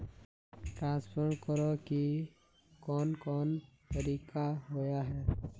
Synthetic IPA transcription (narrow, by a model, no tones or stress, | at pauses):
ʈɾãːnspʰəɾɳkəɾoki | kɔːnkɔːnt̪əɾiːkaɦojaɦɛː